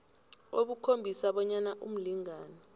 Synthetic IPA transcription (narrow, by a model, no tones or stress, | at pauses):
oɓukʰombʱisaɓɔɲanaʔum̩liŋaːnɔ